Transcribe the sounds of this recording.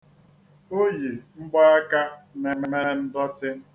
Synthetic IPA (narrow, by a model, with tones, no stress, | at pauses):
o˦ji˨ŋ͡m̩˦ɡ͡bɔ˦a˦ka˦ne˨me˦me˦e˦n̩˦dɔ˦tɪ˦